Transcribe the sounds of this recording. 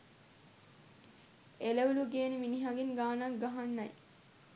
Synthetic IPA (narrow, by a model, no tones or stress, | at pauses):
eləʋuluɡeːniminiɦaɡiŋɡaːnakɡaɦanːaj